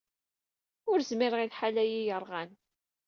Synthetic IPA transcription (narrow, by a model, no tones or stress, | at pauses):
ʊɾzmɪɾʁilħalæjijəɾˤʁæn